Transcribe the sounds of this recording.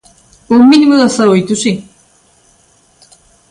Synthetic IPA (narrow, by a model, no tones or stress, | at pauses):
ominimuðasaɾoajt̪usi